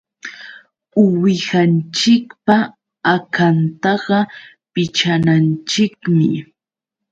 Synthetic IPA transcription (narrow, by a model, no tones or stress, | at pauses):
ʊwɪhant͡ʃɪkpa | akʰant̪ɑɢɑ | pɪt͡ʃanant͡ʃɪkmɪ̰